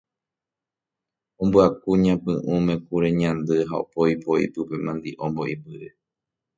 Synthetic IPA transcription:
õmbɨakuɲãpɨ̃ʔũmẽ̞kuɾeɲãnd̪ɨɦao̰poipoḭpɨpe̞mãnd̪iʔõmbo̞ʔipɨɾe

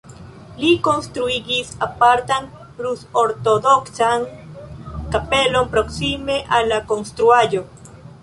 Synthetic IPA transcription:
likonst̪ɾuiɡisapaɾt̪aŋ | pɾusoɾt̪od̪oksaŋ | kapelompɾoksimeʔalakonst̪ɾuajo

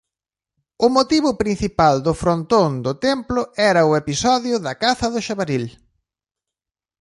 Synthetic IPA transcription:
ʊmot̪iβʊpɾin̟θipald̪ʊfɾont̪ond̪ʊt̪ɛmplʊɛɾɐʊepisɔðjʊðɐkaθɐðʊʃaβaɾil

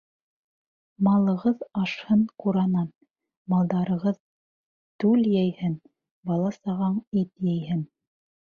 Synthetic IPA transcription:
mɑlˠɤ̆ʁɤðɑʃhɤɴquɾɑnɑn | mɑlˠd̪ɑɾɤ̆ʁɤð | t̪ʉljæjhɘn | bɑlˠɑsɑʁɑɴit̪jæjhɘn

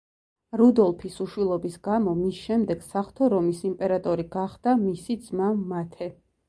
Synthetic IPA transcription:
ɾud̪ɔlˠpʰisuʃwilˠɔbisɡ̥amɔmisʃɛmd̪ɛɡ̥saχt̪ʰɔɾɔmisimpʼɛɾat̪ʼɔɾiɡaχd̪̥amisid̪z̥maːat̪ʰɛ

